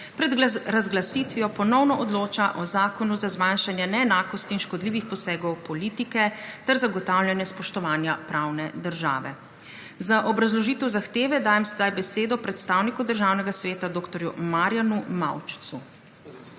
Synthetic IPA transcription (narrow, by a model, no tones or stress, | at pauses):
pɾɛd̪ɾazɡlasit̪ʋijɔpɔnɔwnɔʔɔd̪loːt͡ʃaʔɔzaːkɔnuzazmanʃanjɛnɛːnaːkɔst̪iːnʃkɔd̪liːʋixpɔsɛːɡɔwpɔliːt̪ikɛt̪ɛɾzaɡɔt̪awljanjɛspɔʃt̪ɔʋaːnjapɾaːwnɛd̪əɾʒa̰ːʋɛ̰ | zaʔɔbɾazlɔʒiːt̪ɛwzaxt̪eːʋɛd̪aːjɛmsɛd̪ajbɛseːd̪ɔpɾɛt̪st̪aːwnikud̪əɾʒaːwnɛɡasʋeːt̪ad̪oːkt̪ɔɾjumaːɾjanuma̰wt͡ʃ̪su